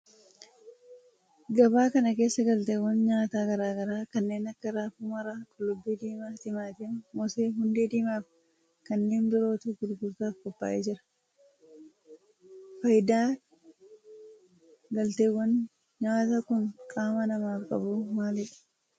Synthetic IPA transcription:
ɡɐbaːkɐnɐke̞ːsːɐɡɐlt̪eːwːɐnɲaːt̪aːɡɐɾaːɡɐɾaːkɐnːe̞ːnɐkːɐɾaːfuːmɐɾaːkʼʊlːʊbːid̪iːmaːt̪ɪmaːt̪eːmmɔseːɦʊnd̪eːd̪iːmaːf | kɐnːe̞ːnbɪɾo̞ːt̪uɡʊd̪ɡʊɾt̪aːfkɔbːa̰ːʔḛːd͡ʒɪɾɐ̥ | fɐjd̪aː | ɡɐlt̪eːwːɐn | ɲaːt̪ɐkʊnkʼaːmɐnɐmaːfkʼɐ̰buːmaːlɪᶑɐ̥

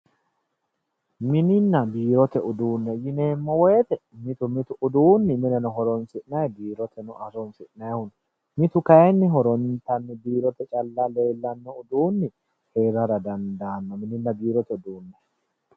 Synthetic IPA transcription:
mɪnɪnːɐbiːɾɔt̪ɛʊd̪uːnːɛjɪne̞ːmːɔwɔjɛt̪ɛmɪt̪ʊmɪt̪ʊʊd̪uːnːɪmɪnɛnɔɦɔɾɔnsɪʔnɐjbiːɾɔt̪ʰɛnʊʔɐsɔnsɪʔnɐjɐhʊn | mɪt̪ʊkɐɛnːɪɦɔɾɔnt̪ɐnːɪbiːɾɔt̪ɛt͡ʃʼɐlːɐle̞ːlːɐnːɔʊd̪uːnːɪ | he̞ːɾɐɾɐd̪ɐnd̪aːnːɔmɪnɪnːɐbiːɾɔt̪ɛʊd̪uːnːɛ

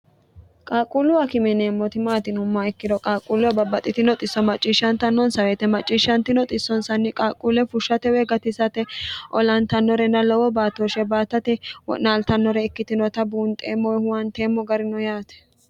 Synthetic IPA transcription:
kʼaːkʼːulʊwɐkɪmɛneːmːɔt̪ɪmaːt̪ɪnʊmːaɛkːɪd̪ɔkʼaːkʼːulʊwɐbɐbːɐt̪ʼːɪt̪ɪnɔt̪ʼɪsːɔmɐt͡ʃʼːiːʃːɐnt̪ɐnːɔnsɐweːt̪ɛmɐt͡ʃʼːiːʃːɐnt̪ɪnɔt̪ʼɪsːɔnsɐnːɪkʼaːkʼːulɛfʊʃːɐt̪ɛweɡɐt̪ɪsɐt̪ɛʔɔlɐnt̪ɐnːɔɾɛnɐlɔwɔbaːt̪oʃɛbaːt̪ːɐt̪ɛwɔ̰naːlt̪ɐnːɔɾɛɪkːɪt̪ɪnɔt̪ɐbuːnt̪ʼḛːmːɔhʊwɐnt̪eːmːɔɡɐɾɪnɔjaːt̪ɛ̥

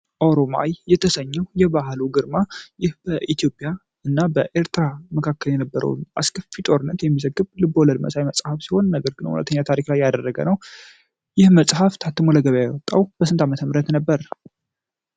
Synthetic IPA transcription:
ʔoɾoma̰jjːɛt̪ʰəsəɲːəwjɛbaɦluɡɨɾmajɪhb̥əʔit̪ʰijo̞pʼja | ɨnːabəʔeɾt̪ɨɾaməkʰakːəljɛnəbːəɾə̰wnʔa̰skʰəfit̪ʼo̞ɾɨnːət̪jɛmːizəɡːɨβlɨboləd̪mə̰sajməsʼhafsiho̞nːəɡəɾɡɨnːə̰whulə̰t̪ʰːəɲːat̪ʰaɾiklajːad̪ərːəɡə̰nəw | jɪhməsʼhaft̪ʰat̪ʰːɨmoləɡəβjajɛwɔt̪ʼːawb̥əs̬ɨnt̪ʰamət̪ʰəmɨɾət̪nəbːəɾ

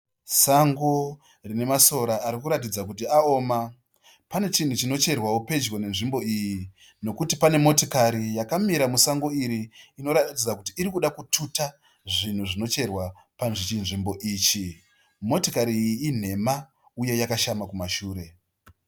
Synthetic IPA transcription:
saŋɡo̞ | rine̞maso̞ɾaːɾikuɾat̬id͡zakut̬iao̞ːma | pane̞t͡ʃin̤ut͡ʃino̞t͡ʃe̞rwawope̞d͡ʒwo̞ne̞nʐimbo̞iji | no̞kutipane̞mo̞tokaɾijakamiɾamusaŋɡo̞iɾiːno̞ɾaid͡zakutiːɾikuɗakutʰuta | ʐin̤uʐino̞t͡ʃe̞rwa | panʐit͡ʃinʐimbo̞ʔiːt͡ʃi | mo̞tokaɾiːjiːn̤e̞ma | uje̞jakaʃamakumaʃuːɾe̞

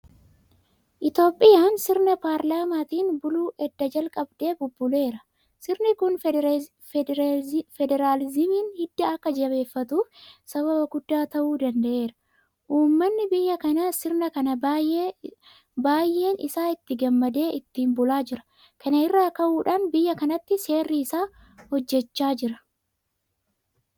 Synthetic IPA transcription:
ʔɪt̪o̞ːpʼːɪjaːnsɪɾnɐpaːɾlaːmaːt̪iːnbʊluːʔɛd̪ːɐd͡ʒɐlkʼɐbd̪e̞ːbʊbːʊle̞ːɾɐ | sɪɾnɪkʊn | ɾafɛd̪ɛɾaːlɪzɪmiːnhɪd̪ːɐɐkːɐd͡ʒɐβe̞ːfːɐt̪uːfsɐβɐbɐɡʊd̪ːaːt̪ɐʔuːd̪ɐnd̪ɐʔe̞ːɾɐ̥ | ʔuːmːɐnːɪbɪjːɐkɐnɐsɪɾnɐkɐnɐ | baːjʔe̞ːnɪsaːɪt̪ːɪɡɐmːɐd̪e̞ːʔɪt̪ːiːmbʊlaːd͡ʒɪɾɐ̥ | kʰɐnɐɪrːaːkɐʔuːᶑaːnbɪjːɐkɐnɐt̪ːɪse̞ːrːiɪsaː | hɔd͡ʒːɛt͡ʃːaːd͡ʒɪɾɐ

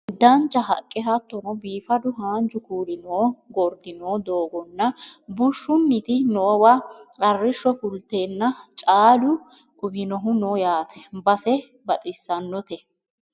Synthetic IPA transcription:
d̪ɐnt͡ʃːɐɦɐ̰kʼːɪɦɐt̪ːɔnɔbiːfɐd̪ʊɦaːnd͡ʒʊkuːlɪnoːɡɔɾd̪ɪnoːd̪oːɡɔnːɐbʊʃːʊnːɪt̪ɪnoːwɐɐrːɪʃːɔfʊlt̪eːnːɐt͡ʃʼaːlʊ | ʔʊbɪnɔɦʊnoːjaːt̪ʰɛbɐsɛ | bɐt̪ʼɪsːɐnːɔt̪ɛ

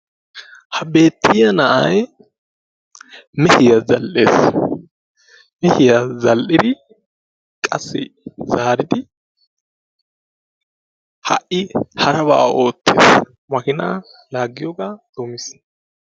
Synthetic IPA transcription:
hɐbe̞ːt̪ʰːɪjɐnɐʔɐj | mɛhɪjɐzɐlʔḛːs | mɛhɪjazɐlʔɪd̪ɪ | kʼɐsːɪ̰zaːɾɪd̪ɪ | hɐ̰ʔɪhɐɾɐbaːo̞ːt̪ːḛːs | mɐkɪna̰ː | laːɡːɪjɔɡaːd̪̥oːmɪs

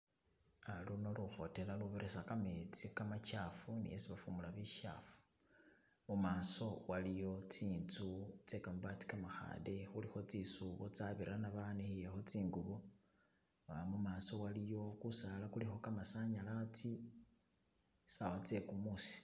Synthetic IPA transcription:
aluno̞luxo̞te̞laluβeɾʔesakamet͡sikamat͡ʃafunḭesiβafumulaβiʃa̰fu̥ | mumaːsowalijo̞t͡siːnt͡sut͡se̞kamubat͡si̥kamaxa̰ːdexulixo̞t͡sisuβot͡saβiɾanaβanixijexo̞t͡siːŋɡuβo | amumaːso̞walijo̞kusalakulixo̞kamasaɲalat͡si | sawat͡se̞kumusi̥

